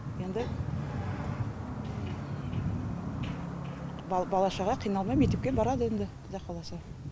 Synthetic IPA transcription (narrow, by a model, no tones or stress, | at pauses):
end̪ɪ | bbɑlˠɑʃɑʁɑqʰijnɑlˠmɑjmekt̪ep̚kʲebɑɾɑd̪əend̪ɪqd̪ɑqɑlˠɑsɑ